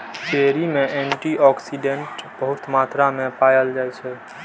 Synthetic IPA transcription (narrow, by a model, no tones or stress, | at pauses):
peːɾimẽʔɛ̃ɳʈiɔːksiɖẽɳʈb̥əɦʊt̪maːt̪ɾamẽpaːjəld͡ʒaːɛt͡ʃʰɛ